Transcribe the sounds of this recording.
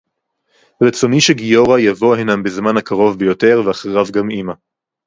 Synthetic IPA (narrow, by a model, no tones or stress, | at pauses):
ʁet͡so̞niʃeɡijo̞ʁajavo̞henambezmanhakaʁo̞vbejo̞te̞ʁveaχeʁavɡamima